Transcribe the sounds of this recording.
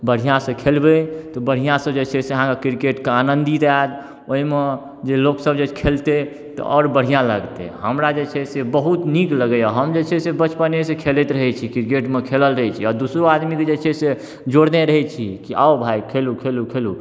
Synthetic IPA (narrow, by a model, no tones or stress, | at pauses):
bəɽ̤ijãsə̃kʰelbet̪ɔbəɽ̤ijãsəbd͡ʒet͡ʃʰɛseəɦãkekiɾkeʈkeanənd̪it̪ad̪ | oɦime | d͡ʒeloksəbd͡ʒet͡ʃʰkʰelt̪e | t̪ɔ̰ɔːɾbəɽ̤ijãləɡt̪ḛɦəmɾad͡ʒet͡ʃʰɛsebəɦut̪nikləɡəjaɦəmd͡ʒet͡ʃʰɛsebət͡ʃpənesekʰelet̪ɾəɦɛt͡ʃʰikiɾkeʈmekʰeləlɾəɦɛt͡ʃʰiɔɾd̪usɾoad̪miked͡ʒet͡ʃʰɛse | d͡ʒoɽneɾəɦɛt͡ʃʰikiʔa̰obʱaikʰelukʰelukʰelu